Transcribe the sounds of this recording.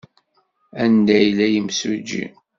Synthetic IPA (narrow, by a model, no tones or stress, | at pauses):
ænd̪æjlæjimsud͡ʒḭ